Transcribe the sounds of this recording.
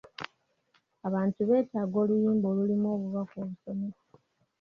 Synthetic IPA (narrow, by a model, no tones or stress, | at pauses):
aβaːntuβe̞ːtaːɡo̞ːlujiːmbo̞ːlulimoːβuβakoːβuso̞mes